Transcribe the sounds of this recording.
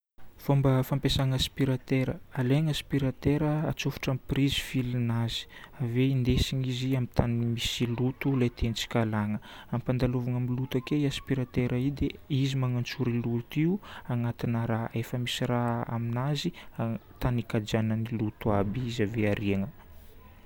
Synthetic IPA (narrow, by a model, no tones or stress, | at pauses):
v̥ombəfampesaŋaspiɾat̪eɾəaleŋaspiɾat̪eɾəat͡sofu̥ʈ͡ʂamprizi̥filinazi̥aveind̪esiɲiziamit̪animisilut̪ulajt̪ʰent͡si̥kalaŋəampand̪alovaŋamilut̪akeiaspiɾat̪eɾʔaid̪eizimaŋant͡suɾilut̪iuaŋat̪inəɾaefəmisiraa̰minaziat̪anikad͡ʒanənilut̪uabiizaveaɾiaŋə